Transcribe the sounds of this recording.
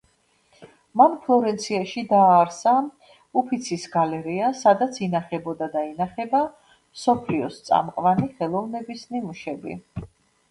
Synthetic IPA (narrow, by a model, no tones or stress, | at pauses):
manpʰlˠɔɾɛnt̪sʰiaʃid̪aːɾsa | upʰit̪sʰisɡalɛɾiasad̪at̪sʰinaχɛbɔd̪ad̪ainaχɛba | msɔpʰliɔst̪sʼa̰mqʼvaniχɛlˠɔvnɛbisnimuʃɛbḭ